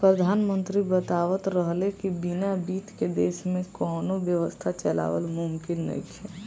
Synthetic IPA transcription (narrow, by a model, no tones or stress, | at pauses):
pɾəd̪ʱaːnmə̃nt̪ɾibət̪aːʋət̪ɾəɦlekibinabiːt̪ked̪eːʃmẽkɔːnoʋjəʋəst̪ʰat͡ʃəla̰ːʋə̰lmʊmkɪnːə̰it͡ʃʰɛ